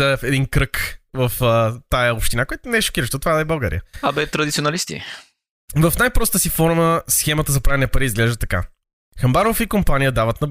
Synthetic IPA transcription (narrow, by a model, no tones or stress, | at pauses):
əfɛd̪inkɾɤkvəft̪ajəopʃt̪inakojɛt̪ʊnɛɛʃo̥k̟iɾəʃt̪ot̪ovaɛbɐlˠɡa̰ɾḭjəɐbɛt̪ɾɐd̪it̪sionɐlist̪ḭ | vɐfnajpɾɔst̪əsifɔɾməsxɛmɐt̪əzɐpɾavɛnɛɐpɐɾizɡlɛʒd̪ət̪ɐka̰ | xɐmbaɾofikompanijəd̪avət̪nɐ